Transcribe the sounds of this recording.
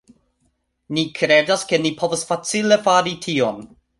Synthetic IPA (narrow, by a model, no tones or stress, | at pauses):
nikʰɾedaske̞nipʰo̞vasfat͡sile̞faɾitʰion